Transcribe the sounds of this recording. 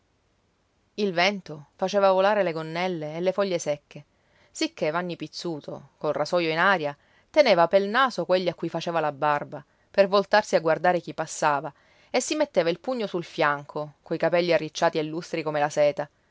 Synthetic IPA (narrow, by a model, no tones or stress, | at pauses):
ilvɛnt̪ofat͡ʃeːvavolaːɾeleɡonːɛlːeːlːefɔʎːesɛkʰːe | sikʰːevanːipit̪sːuːt̪ʰo̰kolrasɔjoinaːɾja | t̪eneːvapelnaːsokweʎːiakːujfat͡ʃeːvalabːarba | pervolt̪arsiaɡward̪aːɾek̟ipːasːaːva | esːimet̪ːeːvailpuɲːosulfjaŋkʰokojkapɛʎːiarːit͡ʃːaːt̪ielːust̪ɾikomelasɛːt̪a